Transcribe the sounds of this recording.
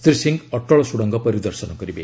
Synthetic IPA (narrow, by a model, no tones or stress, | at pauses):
t̪ɾisiŋɡɔʈɔɭɔsuɽɔŋɡɔpɔɾid̪ɔɾsɔnɔkɔɾibe